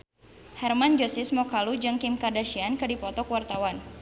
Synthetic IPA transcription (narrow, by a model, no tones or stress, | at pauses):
hɛrmand͡ʒɔsɪsmɔkalud͡ʒɨŋkɪmkardaʃiankɨdipɔt̪ɔkwart̪awan